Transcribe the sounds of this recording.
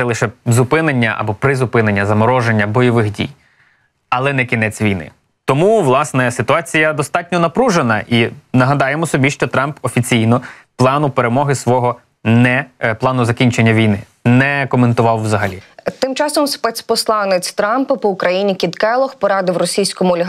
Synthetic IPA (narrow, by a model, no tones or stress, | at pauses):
ɛlˠɪʃɛzʊpɪnenʲːɐʔɐ̰bɔpɾɪzʊpɪnenʲːɐzɐmɔɾɔʒenʲːɐbɔjɔʋɪxdʲḭj | ɐlˠɛnɛkʲinɛt͡sʲʋʲijnɪ̰ | t̪ɔmuʋlˠɑsnɛsɪt̪ʊɑt͡sʲijɐd̪ɔst̪ɑtʲnʲɔnɐpɾuʒenɐʔinɐɦɐd̪ɑjemɔsɔbʲiʃt͡ʃɔt̪ɾɑmpɔfʲit͡sʲijnɔ | plˠɑnʊpeɾemɔɦɪsʋɔɦɔ | nɛplˠɑnʊzɐkʲinʲt͡ʃenʲːɐʋʲijnɪ | nɛkɔment̪ʊʋɑwːzɐɦɐlʲḭt̪ɪmt͡ʃɑsɔmspɛsʲpɔslˠɑnɪt͡sʲt̪ɾɑmpɐpɔʊkɾɐjinʲikʲid̪kɛlˠɔxpɔɾɑd̪ɪwrɔsʲijsʲkɔmʊɔlʲɦ